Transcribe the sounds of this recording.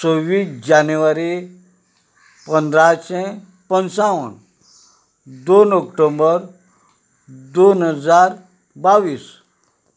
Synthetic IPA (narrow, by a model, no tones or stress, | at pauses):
t͡soʋiːsd͡ʑanuʋaɾi | pənd̪ɾaɕɛ̃ | pənsaʋə̰n | d̪onɔkʈombəɾ | d̪onɦəd͡zaɾ | baʋiːs